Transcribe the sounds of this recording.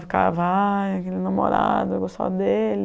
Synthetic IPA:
fi̥ka̰vaakelɪnamo̰ɾad̪ʊɡost̪a̰d̪elɪ

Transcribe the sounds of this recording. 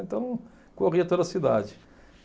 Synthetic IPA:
ẽnt̪ɐ̃w̃ | koʁiɐt̪od̪ɐsid̪ad͡ʒɪ

